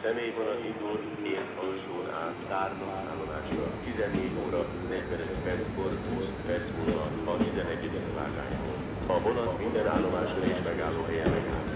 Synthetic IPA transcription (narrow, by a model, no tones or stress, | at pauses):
sɛmeːjvonɒlind̪ul | neːhɒlʃoːna̰ːaːrmɒ | aːlːo̞maːʃrɒ̰t̪izɛnːeːɟoːɾɒ | nɛɟvɛnøt̪pɛrt̪sko̞rɦuːspɛrt̪shoːnɒ | ɒt̪izɛnɛɟːɛd̪ɛkva̰ːɡa̰ːja̰ːɦo̰z | ɒvo̞nɒmind̪ɛna̰ːlːo̞maːʃreːʃmɛɡaːlːoːɦɛjɛmɛɡa̰ːl